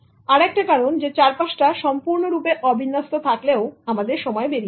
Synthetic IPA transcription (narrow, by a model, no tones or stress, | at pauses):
aɾɛk̚ʈakaɾond͡ʑet͡ɕaɾpaʃʈaʃɔmpuɾnoɾupeʔɔbʱinːast̪ot̪ʰakleoamad̪eɾʃɔmɔebeɾi